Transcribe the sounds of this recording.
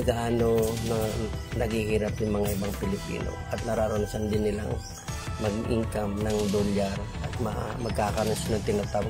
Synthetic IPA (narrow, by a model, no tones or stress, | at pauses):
ɐɡaʔaːnonɐnɐɡhihiːɾɐp̚nɪŋmɐŋaʔɪbaŋpɪlɪpḭːno̰ʔɐt̪̚nɐɾaːɾonɐsɐnd̪ɪnːɪla̰ŋ | mɐɡiʔiŋkɐmnɐŋd̪olaɾʔɐt̪̚mɐa̰mɐɡ̚kaːkɐnonsnɐŋt̪ɪnɐt̪am